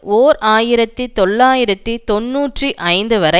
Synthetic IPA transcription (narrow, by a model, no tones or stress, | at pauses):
oːɾaːjɪɾɐt̪ːit̪ɔɭːaːjɪɾɐt̪ːit̪ɔnːuːʈriʔɐɪnd̪ɯʋɐɾɐ